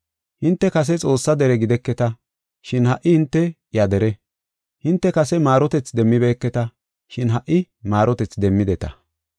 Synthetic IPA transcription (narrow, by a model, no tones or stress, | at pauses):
hɪnt̪ːɛkɐs̬ɛt͡sʼo̞ːsːɐd̪ɛɾɛɡɪd̪ɛkːɛt̪ɐ | ʃɪnhɐʔːɪhɪnt̪ːɛ | jɐd̪ɛɾɛ | hɪnt̪ːɛkɐsɛmaːɾɔt̪ɛt͡sd̪ɛmːɪbeːkːɛt̪ɐ | ʃɪnɦɐʔːɪ | maːɾɔt̪ɛt͡sd̪ɛmːɪd̪ɛt̪ɐ̰